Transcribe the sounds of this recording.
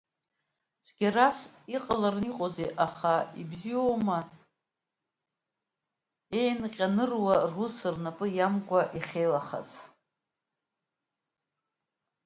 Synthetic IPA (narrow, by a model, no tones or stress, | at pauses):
t͡sʷʰʼɡʲarasiqʼalarɨniqʼozeʔaχaḭbzioma | e̞jnqʲʼanɨrwarusɨrnapʼɨjamɡʷʼaʔiχʲejlaχa̰z